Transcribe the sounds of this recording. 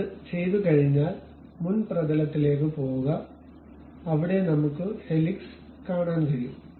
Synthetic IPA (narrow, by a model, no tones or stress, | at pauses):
t͡ɕe̞jðɨkɐɻiɲːaːl | munprɐdɐlɐt̪ːile̞ːk̬ːɨpo̞ːɣuɣɐ | ɐʋiɽe̞nɐmukːɨhe̞liks | kaːɳaːnkɐɻiju